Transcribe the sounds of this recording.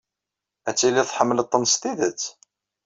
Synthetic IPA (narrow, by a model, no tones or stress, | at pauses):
æt͡sːiliθħəmːələt̪ˤːənst̪iðət͡sː